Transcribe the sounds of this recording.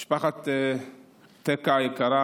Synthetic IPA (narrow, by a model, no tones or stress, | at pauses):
ʃpaχatː | t̪ɛkajɛkaɾa